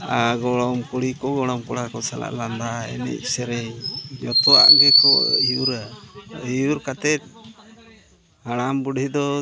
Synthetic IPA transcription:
aɡɔɽɔmkuɽikɔɡɔɽɔmkɔɽakɔsala̰ʔland̪aɛ̰nɛ̰c̚ˀsɛɾɛjjɔt̪ɔa̰ʔɡɛkɔ̰ijuɾaijuɾkat̪ɛt̪̚ | haɽambuɽhid̪ɔ

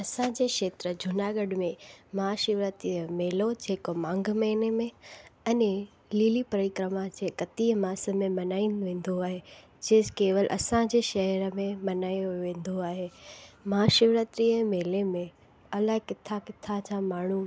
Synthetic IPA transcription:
ɐsãd͡ʑeːkʃeːt̪ɾəd͡ʑʱʊnaːɡəɖmẽmɐɦaʃɪʋɾət̪ɾiəmeːlod͡ʑeːkomãːŋɡʱmeːnemẽɐne | liːlipɾɐɾɪkɾəmad͡ʑeːkɐt̪iəmaːsə̆mẽmɐnaːinɪ̆ʋẽːn̆d̪oaːɦe | d͡ʑeːkeːʋəlʔɐ̰sãd͡ʑeːʃɐɦɛɾəmẽmɐnaːjoʋẽːnd̪oaːɦeːmɐɦaʃɪʋɾət̪ɾiəmeːlemẽ | ɐlaɦkɪt̪ʰakɪt̪ʰat͡ɕʰãmaːɳ̤u

